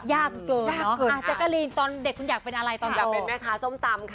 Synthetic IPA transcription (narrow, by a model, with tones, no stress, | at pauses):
jaː˥˩k̚kɤː˧˩˧aː˥˩nɔ˦˥kːʔa˧˩t͡ɕa˨˩ka˧˥˩liː˧nt̪ɔː˧nde˨˩kʰːu˧njaː˨˩k̚pe˧nʔa˧ɾa˧jt̪ɔː˧nt͡ɕa˨˩˧o˧e˧nma˦˥˩kʰaː˧˥˩so˧˥˩mt̪a˧mkʰ